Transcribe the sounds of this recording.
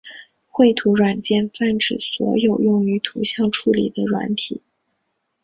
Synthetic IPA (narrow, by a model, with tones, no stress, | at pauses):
xwe˥˩ɪt̪ʰu˧˥ɻwa˨˩nt͡ɕjɛ˥˧nfa˥˩nʈ͡ʂɻ̩˨˩swɔ̰˧˥jo˨˩ʊjʊ˥˩ŋy˧˥t̪ʰu˧˥ɕjɑ˥˧ŋʈ͡ʂʰu˥˩lḭ˨˩d̪ə˦ɻwa̰˧˥nt̪ʰḭ˨˩˦